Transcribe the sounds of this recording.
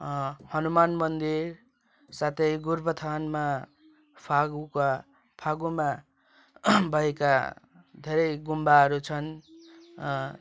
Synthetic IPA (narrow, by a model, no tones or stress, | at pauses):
hʌnumanmʌnd̪iɾ | sat̪ʰʌjɡuɾbʌt̪ʰanma | pʰaɡuka | pʰaɡuma | bʱʌɦeka | d̪ʱeɾʌjɡumbaɦʌɾut͡sʰʌn